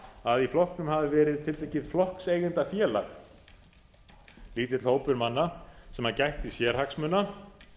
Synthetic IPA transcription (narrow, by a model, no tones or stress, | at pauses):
aðiflɔhknʏmhavɪvɛːɾɪðt̪ʰɪlt̪ehcɪðflɔhksejɣɪnt̪afjɛːla̰x | liːt̪̬ɪt̪lhoːwpʏɾmanːasɛmhaɾcajht̪isjɛɾ̥haksmʏna